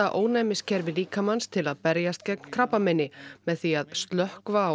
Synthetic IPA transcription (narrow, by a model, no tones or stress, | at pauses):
aʔoːwnɛːmɪscʰɛɾvɪliːkamanst̪ʰɪlaðpɛɾjast̪cɛk̚nkʰɾapːamɪnːɪmɛðθiaðst̪lœhkvaː